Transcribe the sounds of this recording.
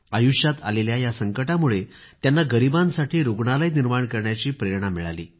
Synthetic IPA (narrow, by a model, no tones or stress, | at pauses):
ajuʂjat̪a̰leljajasəŋkəʈamuɭet̪janːaɡəɾibãnsaʈʰiːɾoɡɳalajniɾmaɳkəɾɳjat͡ɕiːpɾeɾɳamiɭa̰lḭː